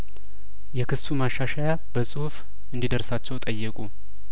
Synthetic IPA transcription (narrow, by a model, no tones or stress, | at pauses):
jɛkɨsumaʃːaʃaja | bəsʼuhf | ɨnd̪id̪əɾsat͡ʃːɛwt̪ʼəjːɛkʼu